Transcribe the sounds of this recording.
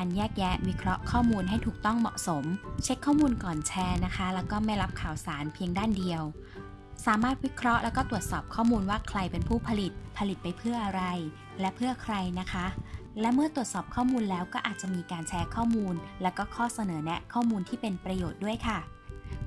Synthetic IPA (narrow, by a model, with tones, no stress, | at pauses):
kaː˧njɛː˥˩k̚jɛ˦˥wi˦˥kʰɾɔ˦˥ʔkʰɔː˥˩muː˧nɦa˥˩jt̪ʰuː˨˩k̚t̪ɔ˥˩ŋmɔ̰˨˩ʔso˩˦mt͡ɕʰe˦˥kʰːɔː˥˩muː˧nkɔː˨˩nt͡ɕʰɛː˧˥na˦˥kʰa˦˥lɛː˦˥wkɔː˥˩ma˥˩jɾa˦˥p̚kʰaː˨˩wsaː˩˦npʰi˧əŋdaː˥˩ndi˧əw | saː˩˦maː˥˩t̪̚wi˦˥kʰɾɔ˦˥ʔlʔɛː˦˥wkɔː˥˩u˨˩ət̪̚sɔː˨˩p̚kʰɔː˥˩muː˧nwaː˥˩kʰɾa˧jpe˧npʰuː˥˩pʰa˧li˨˩t̪̚pʰa˧li˨˩t̪̚pa˧jpʰɯ˥˩ɐʔa˧ɾa˧j | lɛ˦˥ʔpʰɯ˥˩ɐkʰɾa˧jna˦˥kʰa˦˥ | lɛ˦˥wmɯ˥˩ət̪u˨˩ət̪̚sɔː˨˩p̚kʰɔː˥˩muː˧nlɛː˦˥wkɔː˥˩ʔaː˨˩t̪̚t͡ɕa˨˩ʔmiː˧kaː˧nt͡ɕʰɛː˦˥kʰɔː˥˩muː˧nlɛː˦˥wkɔː˥˩kʰɔː˥˩sa˧nɤː˩˦nɛ˦˥kʰɔː˥˩muː˧nt̪ʰiː˥˩pe˧npɾa˧joː˨˩t̪̚du˥˩əjkʰa˥˩